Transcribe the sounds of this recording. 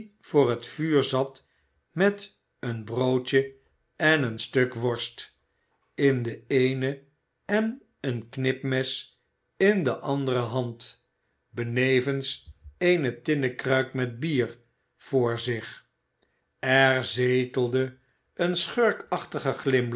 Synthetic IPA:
vʊːɹɦətfyːɹzɑt | mɛt | ənbrowt͡ʃə | ɛnənstøkʋɔɹst | ɪndəejnə | ɛn | ənknɪpmɛs | ɪndəʔɑndərəɦɑnt | bənejvənsejnətɪnəkrœɥkmɛd̚biːɹ | v̥ʊːɹzɪχ | ɛɹzejtəlˠdə | ənsχøɹkɑχtəχəχlɪm

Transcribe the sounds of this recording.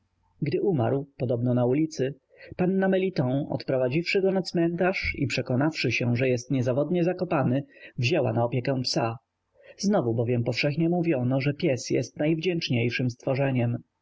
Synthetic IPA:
ɡd̪ɘʔumaɾwpɔd̪ɔbnɔnaulʲit̪sɘ | panːamɛlʲit̪ɔ̃ɔ̰t̪pɾɔvad͡ʑifʂɘɡɔnat̪smɛnt̪aʂḭpʂɛkɔnafʂɘɕɛʐɛjɛst̪ɲɛzavɔd̪ɲɛzakɔpanɘvʑɛwa̰naɔpʲjɛkɛ̃psa | znɔvubɔvʲjɛmpɔfʂɛxɲɛmuvʲjɔnɔʐɛpʲjɛsjɛ̰st̪najvd͡ʑɛnt͡ʂɲejʂɘmst̪fɔʐɛɲɛm

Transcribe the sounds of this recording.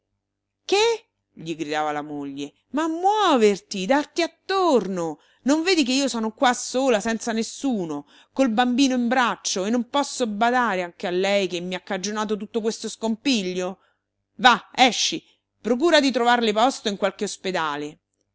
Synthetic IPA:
ke | ʎiɡɾid̪aːvalamoʎːe | mamːwɔːvert̪id̪art̪iat̪ːorno | noɱveːd̪ik̬eiːosɔːnokwasːoːlasɛnt̪sanesuːno | kolbambiːnoimbɾat͡ʃːoenːompɔsːobad̪aːɾeaŋk̟ealːɛjkemːiakːad͡ʒonaːt̪̬ot̪̬ut̪ːokwest̪oskompiʎːo | vaɛʃːi | pɾok̬uːɾad̪it̪ɾovarlepɔst̪oiŋkwalkeosped̪aːle

